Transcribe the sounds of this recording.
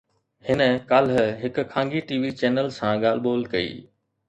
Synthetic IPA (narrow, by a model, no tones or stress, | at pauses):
hɪnə̆kaːlɦɦɪkʊkʰãːŋɡiʈiːʋit͡ɕɛːnəlsãɠaːl̤boːlkɐḭː